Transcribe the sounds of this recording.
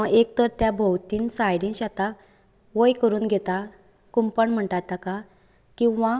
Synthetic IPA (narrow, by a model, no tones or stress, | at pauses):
aʔekt̪əɾt̪jabʱəwt̪iːnsajɽĩnɕat̪ak | ʋəjkəɾuːnɡʱet̪a | kumpəɳm̤əɳʈat̪aka | kĩʋa